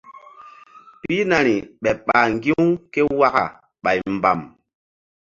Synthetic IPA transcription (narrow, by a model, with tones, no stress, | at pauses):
pi˦na˨ni˨ɓɛ˨ɓa˨ŋ˨ɡi˦u˦ke˦wa˦ɣa̰˨ | ɓa˨jm˨ba̰˨m